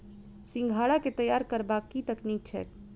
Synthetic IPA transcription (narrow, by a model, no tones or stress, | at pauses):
sɪ̃ŋɡʱaɽaket̪əjaɾkəɾbakːit̪əknik̚t͡ʃʰɛ̰k